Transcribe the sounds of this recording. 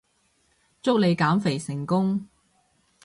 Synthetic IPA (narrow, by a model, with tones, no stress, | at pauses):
t͡sʊ˥k̚le˨˧jkaː˨˥mfe˨˩jsɪ˨˩ŋkʊ˥ŋ